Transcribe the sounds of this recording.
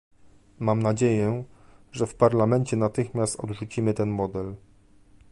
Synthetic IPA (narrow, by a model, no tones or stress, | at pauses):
mamnad͡ʑejɛʐɛfpaɾlamɛnt͡ɕɛnat̪ɘxmʲjast̪ɔ̰d̪ʐut͡ɕimɘt̪ɛnmɔd̪ɛl